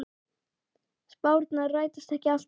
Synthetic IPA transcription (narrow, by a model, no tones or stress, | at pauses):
spaːwɾt̪narœːɥt̪ast̪ɛhcɪal̥t̪